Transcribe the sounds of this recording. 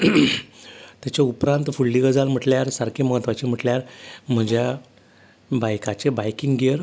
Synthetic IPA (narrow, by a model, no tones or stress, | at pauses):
t̪jat͡ɕaupɾãnt̪fuɭːiɡəd͡zalm̤əʈljaɾsaɾkʰeməɦət̪ʋat͡ɕem̤əʈljaɾm̤əd͡ʑja | bajkat͡ɕebajkiŋɡɡiəɾ